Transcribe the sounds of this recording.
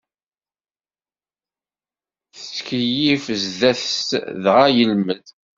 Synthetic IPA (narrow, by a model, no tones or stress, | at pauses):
θət͡sːkəjifəzðæθəst̪ðʁajəlməð